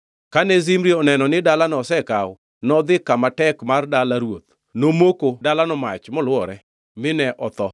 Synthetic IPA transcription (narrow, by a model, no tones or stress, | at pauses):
kanɛzimɾiɔnɛnɔnɪdalanɔsɛkaw | nɔd̪ɪkːamatɛkmardalaɾwot̪ | nomokodalanɔma̰t͡ʃmɔlwɔɾɛ | mɪnɛʔɔt̪ɔ